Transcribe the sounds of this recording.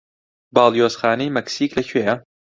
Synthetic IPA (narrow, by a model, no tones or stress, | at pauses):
bɑːlˠjoːsxaːnejmɐksiːklɐcʰwejɐ